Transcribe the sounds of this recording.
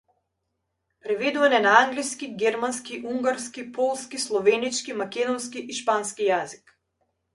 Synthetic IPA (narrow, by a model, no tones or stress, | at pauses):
pɾɛvɛd̪uvanɛnaaŋɡliskiɡʲɛɾmanskiʔuŋɡaɾskipʰɔlˠskislˠɔvɛnit͡ʃkimakʲɛd̪ɔnskiʔiʃpanskijazik